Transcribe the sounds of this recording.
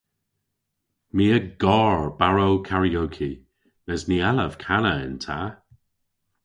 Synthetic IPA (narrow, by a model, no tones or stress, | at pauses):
miːəɡɔːɹbaɹowkʰaɹiowkʰi | nɛznialəv̥kʰanəɪ̰ntʰaː